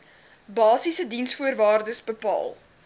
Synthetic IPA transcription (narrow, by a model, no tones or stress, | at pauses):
bɑːsisədinsfuərvɑːrdəsbəpɑ̰ːlˠ